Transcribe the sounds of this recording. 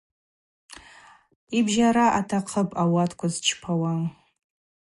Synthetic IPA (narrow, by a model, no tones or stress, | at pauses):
ibʒaɾaʔatʰaqʰəpʼawatʰkʷazt͡ʃʰpʰawa